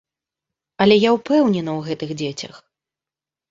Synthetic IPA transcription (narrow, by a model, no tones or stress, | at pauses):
ɐlʲɛjawpɛwnʲɛnɐwɣɛt̪ɨɣd͡zʲet͡sʲɐ̰x